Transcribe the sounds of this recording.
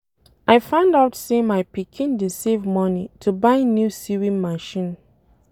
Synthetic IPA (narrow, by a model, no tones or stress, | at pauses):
ʔaɪfãʊ̃ndaʊtsemaɪpikʰĩndisevmɔnitʰubãɪnjusiɹĩmaʃĩn